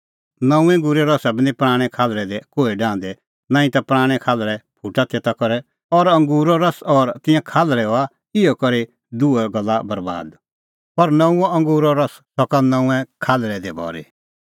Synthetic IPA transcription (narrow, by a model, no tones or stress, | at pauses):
nɐ̃ũɛ̃ŋɡuːɾɛɾɔsabɪnĩpɾaːɽ̃ɛ̃kʰaːlɾɛd̪ɛkoːiɖãːnd̪ɛ | naːĩt̪apɾaːɽ̃ɛkʰaːlɾɛpʰuʈat̪ʰet̪akɔɾɛ | ɔɾɐ̃ŋɡuːɾɔɾɐsɔːɾt̪ɪ̃jãkʰaːlɾɛɦoa | ɪɔkɔɾe | d̪uɛɡɐlːabɐɾba̰ːd̪ | pɐɾnɐ̃ũɛɐ̃ŋɡuːɾɔɾɐssɔkanɐ̃ũɛ̃kʰaːlɾɛd̪ɛbɔ̰ːɾḭ